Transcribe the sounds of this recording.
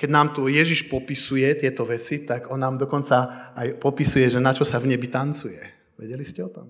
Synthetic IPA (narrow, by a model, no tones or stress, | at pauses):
kɛɟnaːmt̪ujɛʒiʃpɔpisujɛt̪ɪɛt̪ɔʋɛt͡sit̪aɡɔnːaːmd̪ɔkɔnt͡saajpɔpisujɛʒɛnat͡ʃɔsavɲɛbit̪ant͡sujɛ | ʋɛɟɛliscɛɔt̪ɔm